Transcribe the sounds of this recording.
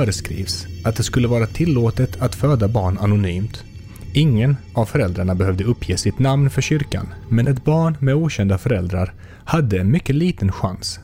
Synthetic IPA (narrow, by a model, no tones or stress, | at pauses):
fœːɾəskɾḭːvsat̪̚d̪ɛskɵlːəvɑːɾat̪ʰɪlːoːt̪ət̪ʰat̪føːd̪abɑːɳanʊnyːmt̪ | ɪŋːənʔavfœɾɛld̪ɾaɳabɛhœvd̪əɵpʰːjeːsɪt̪namnfœɕʏɾka̰nmɛnɛt̪bɑːɳmɛuːɕɛnd̪afœɾɛld̪ɾaɾ | had̪ːəɛnmʏkːəliːt̪ənɧa̰ns